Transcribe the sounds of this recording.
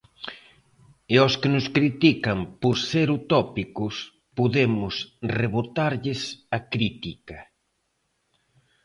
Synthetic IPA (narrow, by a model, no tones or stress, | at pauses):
ɪɔskɪnʊskɾit̪ikɐmpoɾseɾut̪ɔpikʊs | poðemʊsreβot̪aɾʎɪsɐkɾit̪ikɐ